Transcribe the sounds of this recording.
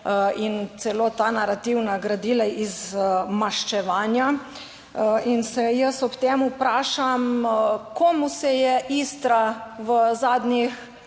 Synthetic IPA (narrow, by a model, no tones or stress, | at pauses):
int̪sɛloːt̪anaɾat̪iwnaɡɾad̪iːlaʔizmaʃt͡ʃɛʋaːnja | insɛjəsɔpt̪eːmupɾaːʃamkoːmusɛjɛʔist̪ɾaʋəzaːd̪nʲix